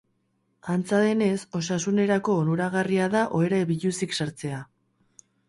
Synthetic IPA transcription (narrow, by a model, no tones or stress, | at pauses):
ant͡saðe̞ne̞so̞sasune̞ɾako̞ːnuɾaɣariaðaʔo̞e̞ɾaeβiʎusiksaɾt͡se̞a